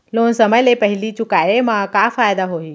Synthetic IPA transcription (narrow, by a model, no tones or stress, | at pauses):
loːnsɐməjlepɐɦɪlit͡ɕʊkaːemãkaːfaːjd̪aɦoːɦiː